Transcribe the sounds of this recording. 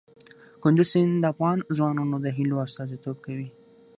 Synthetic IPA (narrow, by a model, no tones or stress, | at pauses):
kʊnd̪usind̪əafɣɑnzwɑnɑnod̪əɦiloast̪ɑzit̪ob̚kawi